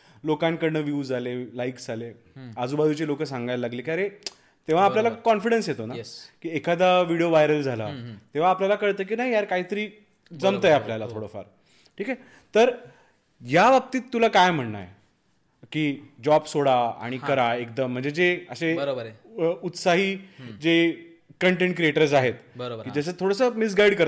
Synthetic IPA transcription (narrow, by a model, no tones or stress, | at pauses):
lokãnkəɾɳəʋjuːd͡zalelaiksd͡zʱale | əd͡zuːbad̪ut͡ɕelokəs̬ãŋɡajlalaɡlekaɾe | t̪ẽʋ̤aːljalakɔnfiɽənsjet̪onakiːekad̪aʋiɽioʋajɾəld͡zʱala̰t̪ẽʋ̤aːpljalakəɾt̪əːk̬iːnaɦijaɾkaɦiːt̪əɾiː | d͡zəmt̪əjapljalat̪ʰoɽofa̰ɾ | ʈʰiːka | t̪əɾ | jaʋəp̚t̪iːt̪ːulakajm̤əɳːa̰j | kiːd͡ʑɔbsoɽaa̰ɽ̃ikəɾaek̚d̪əm̤ːəɳd͡zed͡zeəseɾ | ut̪saɦiːd͡ze | kəɳʈẽɳʈ̚kɾieʈəɾs̬aɦet̪bəɾkiːd͡zəs̬ət̪ʰoɽəsəmis̬ɡaiɽkəɾa